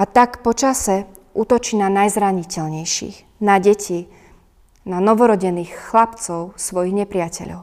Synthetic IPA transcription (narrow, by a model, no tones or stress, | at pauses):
at̪akpɔt͡ʃasɛ | ʔuːt̪ɔt͡ʃiːnanajzɾaɲicɛlɲɛjʃḭɣ | naɟɛcʰi | nanɔʋɔɾɔɟɛniːxːlapt͡sɔʊsʋɔjiɣɲɛpɾɪacɛ̰ʎɔ̰ʊ